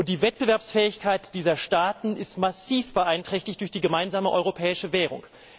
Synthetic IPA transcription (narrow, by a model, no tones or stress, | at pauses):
ʊntd̥iːvɛt̚b̥əvɛɐpsfɛːɪçkʰaɪtd̥iːzɐʃtaːtn̩ɪstmasiːfb̥əʔaɪntʁ̥ɛçtɪçtd̥ʊɐçd̥iːɡəmaɪnzaːməʔɔ̰ʏʁopʰɛːɪʃəvɛːʁ̞ʊ̰ŋ